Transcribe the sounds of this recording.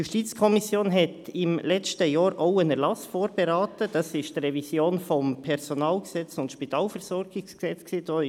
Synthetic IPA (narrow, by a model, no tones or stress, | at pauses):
juʃtiːt͡skʰɔmisjoːnɦɛtɪmlɛt͡stəjɑːɾʔoʊənɛɾlɑsfoːɾb̥ɛɾaːtəd̥ɑsɪʃtdrɛvisjoːnfɔmpʰɛɾz̥onaːlɡsɛt͡sʊntʃpitʰaːlfɛɾz̥ɔɾɡɪsksɛt͡sksiːd̥oː